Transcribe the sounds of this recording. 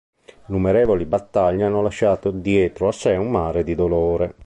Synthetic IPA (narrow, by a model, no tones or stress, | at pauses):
numeɾɛːvolibat̪ːaʎːanːolaʃːaːt̪od̪jɛːt̪ɾoasːɛumːaːɾed̪id̪oloːɾe